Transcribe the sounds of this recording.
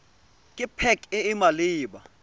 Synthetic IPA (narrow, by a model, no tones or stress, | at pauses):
kʼɪpʰɛkʼɪːmaliːɓa̰